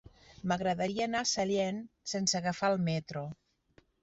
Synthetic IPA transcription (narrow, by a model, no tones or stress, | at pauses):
məɣɾəðaɾiaːnasaljensensəaɣafalˠmɛt̪ɾo